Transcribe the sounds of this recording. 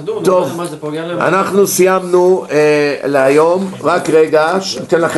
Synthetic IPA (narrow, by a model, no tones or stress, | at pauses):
t̪o̞v | a̰naχnusijamnueleajo̞mʁakʁeɡaʃnit̪enlaχ